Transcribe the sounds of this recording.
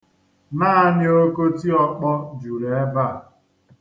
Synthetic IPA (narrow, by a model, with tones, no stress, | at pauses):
naː˦nɪ˦o˦ko˦ti˦ɔ˦k͡pɔ˦d͡ʒu˨ɾe˨˦va˦˨